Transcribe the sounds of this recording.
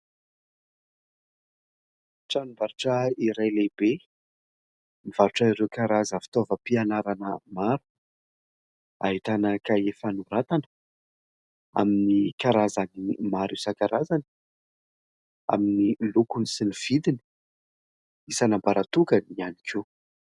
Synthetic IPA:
ʈ͡ʂanivaɾuʈ͡ʂəiɾajlebe | mivaɾuʈ͡ʂəiɾewkaɾazəfi̥t̪ovəpianaɾanəmaɾu | aɦit̪anəkaefanuɾat̪anə̥ | a̰minikaɾazanimaɾisakaɾazan | a̰minilukunisiniv̥id̪ini̥ | isanambaɾat̪ukənianikʲʰu

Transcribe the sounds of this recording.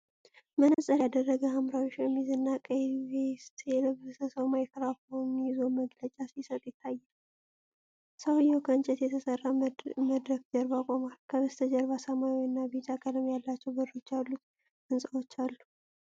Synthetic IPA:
mənəsʼəɾad̪ərːəɡəamɾawiʃjɛmːizɨnːakʼəjβest̪jɛləβɨsəsəwmajɪkɾafowmːijizoməɡlət͡ʃʼasisət̪ʼjɪt̪ʰːajːal | səwɨjːɛwkʰəɨnt͡ʃʼɛt̪jɛt̪ʰəsərːaməd̪ɾəkd͡ʒɛɾbakʼomalkʰəβɨst̪ʰəd͡ʒɛɾβasamajwɨnːabet̪ʰakʼəlɨmjalːat͡ʃːɛwbɨɾːot͡ʃːalːut̪ | ɨnsʼəwo̞t͡ʃːalːu

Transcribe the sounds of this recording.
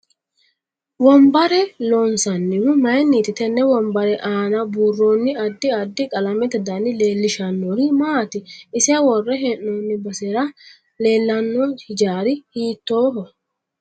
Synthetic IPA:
wɔmbɐɾɛlonsɐnːɪwʊmɐjnːiːt̪ɪt̪ɛnːɛwɔmbɐɾɛʔaːnɐbuːrːoːnːɪɐd̪ːɪɐd̪ːɪkʼɐlɐmɛt̪ɛd̪ɐnːɪle̞ːlːɪʃɐnːoɾɪmaːt̪ɪɪsɪɐwɔrːɛɦeʔnoːnːɪbɐseɾɐ | leːlːɐnːɔɪd͡ʒaːɾɪhiːt̪ːoːɦɔ

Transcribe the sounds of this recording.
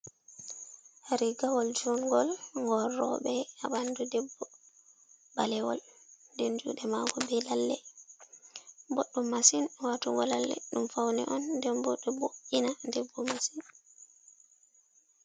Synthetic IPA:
haɾiɡawɔld͡ʒuŋɡɔlŋɡɔɾɔ̰ɓɛabandudɛbːɔ | balɛwɔ̰lndɛnd͡ʒṵːɗɛmaɡɔbɛlalːɛ | bɔɗːɔmasinwatuŋɡɔlalːɛ̰ɗumfawnɛ̰ʔɔndɛnbɔɗːɔboʔinadɛbːɔmasin

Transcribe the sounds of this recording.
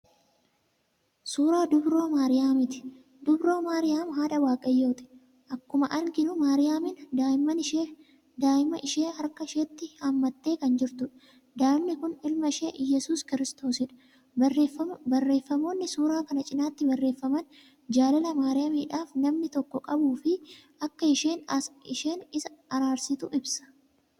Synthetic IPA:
suːɾaːd̪ʊbɾo̞ːmaːɾɪjaːmɪt̪ɪ̥ | d̪ʊbɾo̞ːmaːɾɪjaːmɦaːᶑɐwaːkʼɐjːo̞ːt̪ɪ̥ | ʔɐkːʊmɐʔɐlkɪnʊmaːɾɪjaːmɪnd̪aːjɪmɐnɪʃe | d̪aːjɪmɐʔɪʃe̞ːhɐɾkɐɪʃeːt̪ːɪhamːɐt̪ːe̞ːkɐnd͡ʒɪɾt̪ʊᶑɐ | d̪aːɪmnɪkʊnɪlmɐɪʃeːjɛsuːskɪɾɪst̪o̞ːsɪᶑɐ̥ | ɐbɐrːe̞ːfːɐmo̞ːnːɪsuːɾaːkɐnɐt͡ʃʼɪnaːt̪ːɪbɐrːe̞ːfːɐmɐn | d͡ʒaːlɐlɐmaːɾɪjaːmiːᶑaːfnɐmnɪt̪ɔkːɔkʼɐbuːfɪʔɐkːɐɪʃeːnɪʃe̞ːnɪsɐɐɾaːɾsɪt̪ʊʔɪbsɐ̥

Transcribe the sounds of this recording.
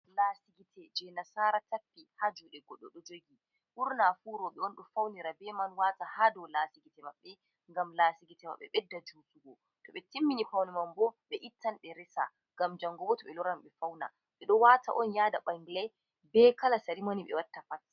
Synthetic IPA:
lasiɡitʰɛd͡ʒɛnasaːɾatapːihad͡ʒuɗɛɡɔɗɔɗɔd͡ʒoɡi | ʔuɾnafuɾɔɓɛɔnɗɔfawniɾabɛmanwaːtahaːdɔlaːsiɡitɛmaɓːɛ | ŋɡamlaːsiɡitɛma̰ɓːɛ̰ɓɛdːad͡ʒuːtuɡɔ | tɔɓɛtimːinifawnɛmambɔɓɛʔitʰːanɗɛɾɛsa̰ | ŋɡamd͡ʒaŋɡɔbɔtɔɓɛlɔɾamɓɛfawna̰ | ɓɛɗɔwata̰ʔɔnjaːdaɓaŋɡilɛ | bɛːkalasaɾimaniɓɛ̰watːapat

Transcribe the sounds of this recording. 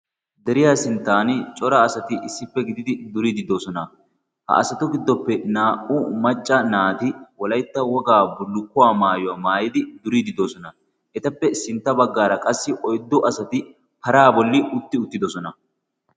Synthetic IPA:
d̪ɛɾɪjaːsɪnt̪ːaːnt͡ʃʼɔɾɐːsɐt̪ɪʔɪsːɪpːɛɡɪd̪ɪd̪ɪd̪ʊɾid̪ɪd̪osɔnɐ | hɐ̰ʔɐsɐt̪ʊɡɪd̪ːɔpːɛnaːʔʊmɐt͡ʃʼːɐnaːt̪ɪwɔlɐjt̪ːɐwɔɡaːbʊlːʊkːʊwaːmaːjɔwamaːjɪd̪ɪd̪ʊɾid̪ɪd̪osɔnɐ | ʔɛt̪ɐpːɛsɪnt̪ːɐbɐɡːaːɾɐkʼɐsːɪʔɔjd̪ːɔʔɐsɐt̪ɪ | pɐɾaːbɔlːɪʔʊt̪ːɪʊt̪ːɪd̪ɔsɔnɐ

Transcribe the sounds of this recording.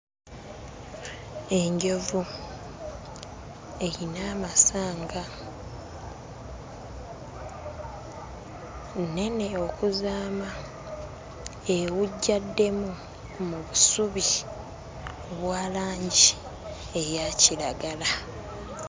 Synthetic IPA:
e̞ɲɟo̞vu | e̞ɾinaːmasaːŋɡa | ne̞ne̞o̞kuzaːma | ewuɟːadːe̞mu | muβusuβi | oβwaːlaːɲɟi | e̞jacilaɡala

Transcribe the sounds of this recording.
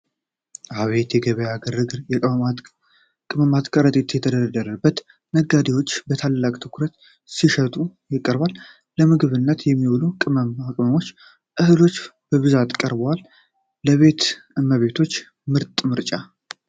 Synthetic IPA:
ʔaβe̞t̪jɛɡəβəjaɡəɾɡɾjɛ | kʼɨməmat̪kʼəɾət̪ʼet̪jɛt̪ʰəd̪əd̪əd̪əɾəbːət̪ | məɡːad̪ewo̞t͡ʃːbət̪ʰalːakʼt̪ʰɨkɾət̪ | siʃət̪ʼujɪkʼːəɾβalː | əmɨɡɨβɨnːət̪jɛmːiwolukʼɨməmakʼməmo̞t͡ʃː | ʔɨhɨlo̞t͡ʃːb̥əβɨzat̪kʼəɾbəwalː | əβe̞t̪ɨmːəβe̞t̪ʰo̞t͡ʃː | mɨɾt̪ʼmɨɾt͡ʃʼa

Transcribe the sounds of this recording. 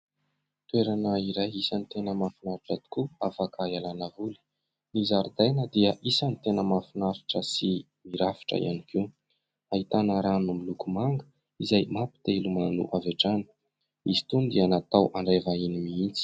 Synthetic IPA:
t̪ueɾanəiɾajisanit̪enəmafinaɾiʈ͡ʂat̪u̥kuafakʰaialanavuli̥ | nizaɾd̪ajnəd̪iəʔisanit̪enəmafinaɾiʈ͡ʂəsi | miɾafi̥ʈ͡ʂə̰ḭʔa̰nikiw | aɦit̪anəɾanumilukumaŋɡə̥ | izajmapi̥t̪elumanṵʔaveʈ͡ʂanə̥ | izi̥t̪und̪ianat̪awʔaɳɖ͡ʐevainimiint͡si̥

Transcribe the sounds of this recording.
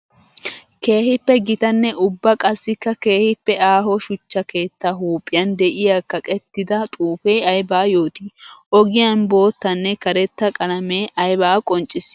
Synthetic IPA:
ke̞ːhɪpːɛɡɪt̪ɐnːɛʔʊbːɐkʼɐsːɪkːɐke̞ːhɪpːɛaːɦɔʃʊt͡ʃːɐke̞ːt̪ːaɦuːpʼːɪjɐnd̪ɛʔɪjakːɐkʼɛt̪ːɪd̪ɐt̪ʼuːfeːɐjbaːjo̞ːt̪iːʔɔɡɪjɐnbo̞ːt̪ːɐnːɛkɐɾɛt̪ːɐkʼɐlɐmeːʔɐjbaːkʼɔnt͡ʃʼːɪs

